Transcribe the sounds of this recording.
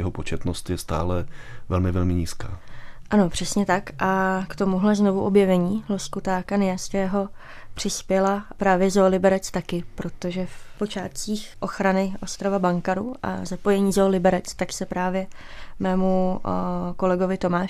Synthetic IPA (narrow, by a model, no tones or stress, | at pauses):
jɛɦopot͡ʃɛt̪nost̪jɛst̪a̰ːlɛvɛlmɪvɛlmɪɲiːska̰ːʔano̞pr̝̥ɛsɲɛt̪akʔakt̪o̞muɦlɛzno̞vuʔo̞bjɛvɛɲiːloskut̪aːkanɪjaskɛːɦo̞ | pr̝̥ɪspjɛlapɾaːvjɛzolɪbɛɾɛt͡st̪akɪpɾo̞t̪o̞ʒɛfpo̞t͡ʃaːt̪t͡siːxʔo̞xɾanɪʔo̞st̪ɾavabaŋkaɾuʔa̰zapo̞jɛɲiːzoːlɪbɛɾɛt͡st̪aksɛpɾaːvjɛmɛːmu | ko̞lɛɡovɪt̪o̞maːʃ